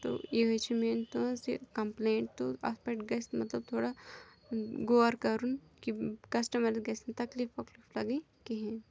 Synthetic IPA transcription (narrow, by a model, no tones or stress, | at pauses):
t̪o̰jeɦojt͡ʃʰimeːnt̪osikɐmpleːɳʈ̚t̪oɐ̰spɛʈɡɐsmɐt̪lɐb̚t̪ʰoːɽa | ɡoːɐɾkɐɾunkikɐsʈɐmɐɾɡɐsnt̪ɐkliːfɐkliflɐɡi | kiɦɛ̃